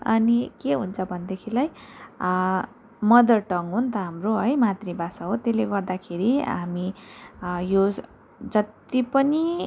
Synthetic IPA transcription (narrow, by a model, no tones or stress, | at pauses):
ʌnikeɦunt͡sʰʌbʱʌnd̪ekʰilaj | mʌd̪ʌrʈʌŋɦunt̪ʌɦamroɦʌjmat̪ribasaɦot̪eleɡʌrd̪akʰeɾiɦami | jo | d͡zʌt̪ipʌni